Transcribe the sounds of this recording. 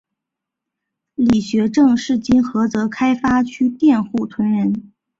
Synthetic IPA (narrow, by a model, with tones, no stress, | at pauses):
li˨˩ɕɥɛ˧˥ʈ͡ʂɤ˥˧ŋʂɻ̩˥˩t͡ɕi˥nxɤ˧˥t͡sɤ˧˥kʰa˥ɪfa˥t͡ɕʰy˥t̪jɛ˥˧nxu˥˩t̪ʰwə˧˥nɻə˧˥n